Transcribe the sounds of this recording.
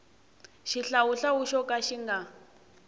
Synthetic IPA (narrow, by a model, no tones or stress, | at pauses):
ʃiɬauɬauʃɔkaʃiŋɡa